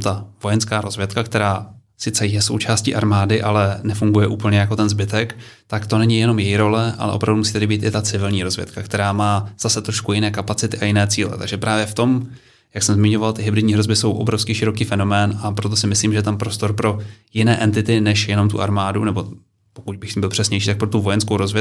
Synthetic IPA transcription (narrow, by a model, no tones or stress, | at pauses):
t̪avo̞jɛnskaːɾo̞zvjɛt̪kakt̪ɛɾaː | sɪt͡sɛjɛso̞̰wt͡ʃaːscḭːʔaɾmaːdɪʔalɛnɛfuŋɡujɛʔuːpl̩ɲɛjako̞t̪ɛnzbɪt̪ɛk | t̪akt̪o̞nɛɲɪjɛno̞mjɛjiɾo̞lɛʔa̰lɛ̰ʔo̞pɾavdumusiːt̪ɛɾɪbiːt̪ɪt̪at͡sɪvɪlɲiːɾo̞zvjɛ̰t̪kakt̪ɛɾaːmaːz̥asɛt̪ɾo̞ʃkujɪnɛːkapat͡sɪt̪ɪʔajɪnɛːt͡siːlɛ̰t̪aɡʒɛpɾʔaːvjɛft̪o̞m | jaksɛmzmɪɲo̞valt̪ɪɦɪbɾɪdɲiːɦɾo̞zbɪso̞wʔo̞̰bɾo̞fskiːʃɪɾo̞kiːfɛno̞mɛːnapɾo̞t̪o̞sɪmɪsliːmʒɛjɛt̪ampɾo̞st̪o̞ɾpɾo̞jɪnɛːʔɛnt̪ɪt̪ɪnɛʃjɛno̞mt̪ṵʔa̰ɾmaːdunɛbo̞ | pokuɟ̚bɪxbɪlpr̝̥ɛsɲɛjʃ̬iːt̪ak̚pɾot̪uvo̞jɛnskowɾozvjɛ